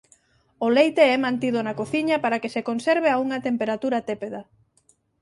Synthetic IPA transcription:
olejt̪eɛmãnt̪ið̞ʊnakoθiɲɐpaɾakesekonseɾβ̞eauŋɐt̪empeɾat̪uɾat̪epeða

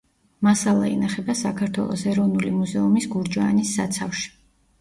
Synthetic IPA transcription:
masalˠa̰ḭnaχɛbasakʰaɾt̪ʰwɛ̰lˠɔ̰sɛɾɔvnulimuzɛumisɡuɾd͡ʒanisːat̪sʰafʃi̥

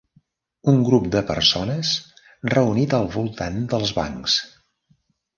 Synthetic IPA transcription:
uŋɡɾup̚d̪əpə̰ɾsonəs | rəunit̪əlˠβulˠt̪and̪əlˠzβa̰ŋks

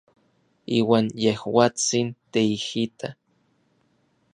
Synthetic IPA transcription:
iːwaːnjehwat͡sint̪eihit̪a

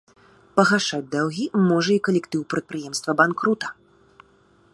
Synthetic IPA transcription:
pɐɣaʂad͡zʲd̪awɣʲimɔʐɐikɐlʲɛkt̪ɨwpɾɐt̪̚pɾɨjɛmst̪vɐbankɾut̪ɐ̥

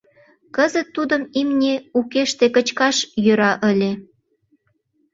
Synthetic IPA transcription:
kəzət̪ːud̪əmimnʲeukeʃt̪ekət͡ɕkɑʃjøɾɑʔəlʲe

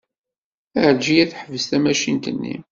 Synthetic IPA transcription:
əɾd͡ʒijæθħəvəst̪æmæʃint̪ənːḭm

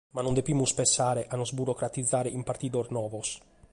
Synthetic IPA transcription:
manond̪epimuspensaːɾeʔanɔzbuɾokɾat̪id̪zːaːɾeʔimpart̪iːd̪ornɔːvos

